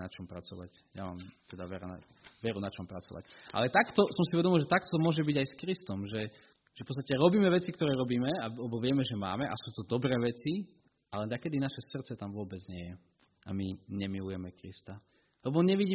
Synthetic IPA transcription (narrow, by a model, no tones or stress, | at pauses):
nat͡ʃɔmpɾat͡sɔʋa̰c | jama̰ːmt̪ɛd̪aʋɛɾaa̰ | ʋɛɾunat͡ʃɔmpɾat͡sɔ̰ʋa̰cʔa̰lɛt̪akt̪ɔsɔmsiuʋɛd̪ɔmilʒɛt̪akt̪ɔmʊɔʒɛbiɟajskɾist̪ɔmʒɛ | ʒ̥ɛfpɔtt͡sst̪acɛɾɔbiːmɛʋɛt͡sikt̪ɔɾɛːɾɔbiːmɛalɛbɔʋɪɛmɛʒɛma̰ːmɛʔa̰suːt̪ɔd̪ɔbɾɛːʋɛt͡si | ʔalɛnakɛd̪inaʃɛsr̩t̪t͡sɛt̪amʋʊɔbɛd͡zɲɪɛjɛ | ʔa̰miɲɛmilujɛmɛkɾḭst̪a | lɛbɔɲɛʋiɟiː